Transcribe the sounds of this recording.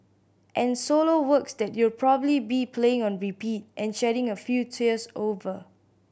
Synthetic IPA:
ʔɛ̃nsolowəksdɛtjulpʰɹɔbəblibipʰleɪ̃ŋɔ̃nɹipit̚ʔɛ̃nʃɛɾɪ̃ŋəfjutʰiəsovə

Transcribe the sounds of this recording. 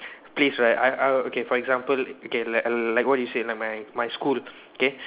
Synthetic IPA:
plisɹajtaʔaokefɔɹɛɡzãmpəlokelalajkwɔt̚dujuselajk̚majmajskul | oke

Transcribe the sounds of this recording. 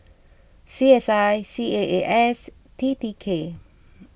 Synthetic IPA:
siɛsajsieʔeʔɛs | t̪ʰit̪ikʰe

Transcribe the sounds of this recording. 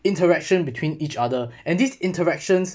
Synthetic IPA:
ɪ̃ntəɹɛkʃə̃nbitʰwĩnit͡ʃadəʔɛ̃ndisɪ̃ntəɹɛkʃə̃ns

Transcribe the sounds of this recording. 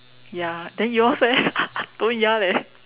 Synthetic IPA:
jadɛ̃njɔsɛt̪õnjalɛ

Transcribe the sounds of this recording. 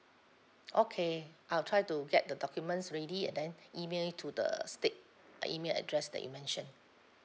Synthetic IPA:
ʔokʰeʔaɪltʰɹaɪtuɡɛt̚dədɔkjumə̃ntsɹediɛ̰̃ndɛ̃nimelitʰudə̰stet̚ | ḭmelɛ̰dɹɛsdɛ̰ʔjṵmɛ̃nʃə̃n

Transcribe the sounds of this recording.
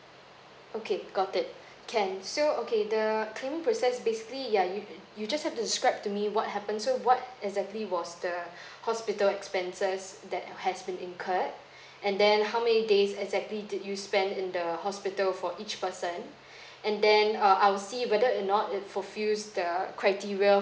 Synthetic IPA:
okʰeɡ̥ɔtɪt̚ | kʰɛ̃nsookʰedəkʰlẽmɪ̃ŋpɹosɛsbesɪ̥klijajujud͡ʒashɛftusɪskɹaɪp̚tumiwɔt̚ɦɛpə̃nsowɔt̚ɛɡzɛk̚tliwɔsdə | hɔspɪtəlɛkspɛ̃nsəsdɛt̚hɛsbĩnɪ̃nkʰət̚ | ʔɛ̃ndɛ̃nɦawmɛnidesɛɡzɛk̚tlidɪdjuspɛ̃ndɪ̃ndəhɔspɪtəlfɔʔit͡ʃpəsə̃n | ʔɛ̃ndɛ̃nʌajwlsiwɛdəənɔtɪt̚fofjusdəkʰɹaɪtiɹiə

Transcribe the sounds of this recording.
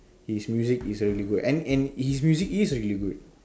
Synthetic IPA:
hismjuzikisɾiliɡudɛ̃nɛ̃nhismjuzikisɾiliɡud

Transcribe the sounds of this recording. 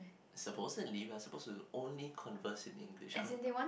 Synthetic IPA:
səposətliwiasəpostuʔõnlikʰɔ̃nvəsĩnɪ̰̃ŋɡlḭʃzɛ̃dewɔ̃n

